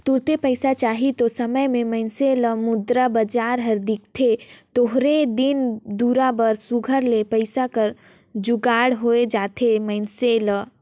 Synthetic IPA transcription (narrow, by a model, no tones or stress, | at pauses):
t̪uɽt̪epəɪsat͡ʃaːɦit̪osəməjmẽməɪnselə̃mʊd̪ɾabəd͡ʒaːɾɦəɾd̪ikt̪ʰet̪oɦɾed̪ind̪uɾabəɾsuɡʱəɾlepəɪsakəɾ | d͡ʒuɡaːɽɦoed͡ʒaːt̪ʰeməɪnselə